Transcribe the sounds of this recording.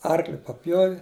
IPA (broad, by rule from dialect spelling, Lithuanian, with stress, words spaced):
ˈɐrklʲɪ pɐˈpʲjoːʋʲɪ